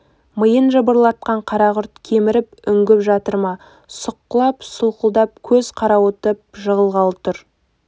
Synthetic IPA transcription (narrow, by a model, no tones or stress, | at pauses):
məjənʒəbəɾlˠɑt̪̚qɑɴqʰɑɾɑʁʊɾt̪kʲʰe̞mɪɾɪp̚ʏŋɡʲɪpʒɑt̪əɾmɑ | sʊqːəlˠɑpsʊlˠqəlˠd̪ɑp̚kʲʰɵzqʰɑɾɑwot̪əp̚ʒəʁəlˠʁɑlˠt̪ʊɾ